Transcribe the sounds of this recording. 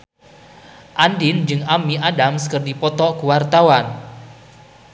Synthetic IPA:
ʔandɪnd͡ʒɨŋamiadamskərdipɔt̪ɔkuwart̪awan

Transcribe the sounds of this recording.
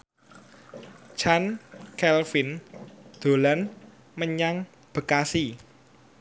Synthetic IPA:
t͡ʃankɛlfɪnd̪̥o̤lan | məɲaŋ | b̥ə̤kasi

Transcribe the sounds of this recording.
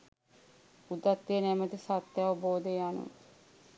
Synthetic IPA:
ud̪at̪ːejənɛmət̪isat̪ːjaʋəboːd̪ejanṵ

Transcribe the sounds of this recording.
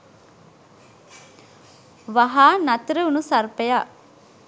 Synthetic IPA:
ʋaɦaːnɐt̪ɾəunusarpeja

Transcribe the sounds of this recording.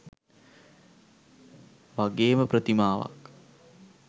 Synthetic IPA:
ʋaɡeːməprət̪imaːʋa̰k

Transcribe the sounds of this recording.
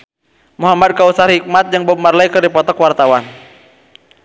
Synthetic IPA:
muɦamad̪̚kausarhik̚mat̪̚jaŋbəmarlaikərdipɔt̪ɔkwart̪awan

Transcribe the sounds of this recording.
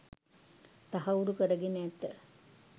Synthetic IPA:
t̪ɐɦɐuɾukɐɾɐɡinet̪ːe

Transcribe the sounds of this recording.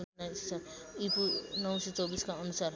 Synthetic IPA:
nast͡sʰʌipunʌwsʌt͡sʌwbiskaʌnusaɾ

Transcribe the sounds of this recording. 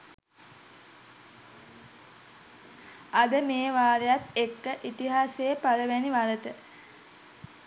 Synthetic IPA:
ad̪əmeːʋaːɾejat̪ekːəʔit̪iɦaːsepaləʋæniʋalət̪ə

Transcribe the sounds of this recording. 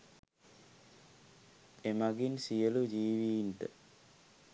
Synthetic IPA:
emaɡinsijəlud͡ʒiːʋintə

